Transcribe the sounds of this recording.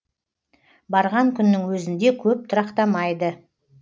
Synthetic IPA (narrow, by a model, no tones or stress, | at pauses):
bɑɾʁɑŋkʲʰʏnːɪŋwɵzɪnd̪e̞kʲʰɵp̚t̪ʰʊɾɑqt̪ɑmɑjd̪ə